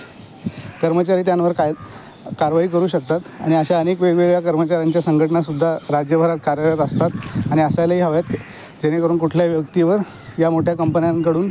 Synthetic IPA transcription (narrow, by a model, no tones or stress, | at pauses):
kəɾmət͡ɕaɾiːt̪janʋəɾkaj | kaɾʋaɦiːkəɾuːɕək̚t̪at̪a̰ɽ̃iəɕaəneːkʋeɡʋeɡjakəɾmət͡ɕaɾjaɲt͡ɕjasəŋɡʱəʈəɳasud̪ʱːaɾad͡ʑjəbʱəɾat̪̚kaɾjəlat̪əst̪at̪aɽ̃iəsajlaɦiːɦəʋjat̪̚e | d͡ʑeɽ̃ekəɾuːnkuʈʰljaʋjək̚t̪iʋəɾ | jamoʈʰjakəmpənjankəɽuːn